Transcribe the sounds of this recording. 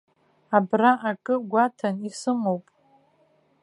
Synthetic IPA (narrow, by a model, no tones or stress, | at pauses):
abraʔakʼɨɡʷatʰanisɨmowpʼ